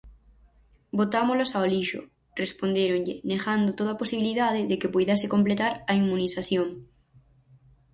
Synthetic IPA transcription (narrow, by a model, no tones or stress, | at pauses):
bot̪amolosaoliʃo̰ | respond̪eɾoŋʎeneɣand̪ot̪oðaposiβiliðað̞eðekepujðɛsɪkomplet̪aɾɐimːunisaθjoŋ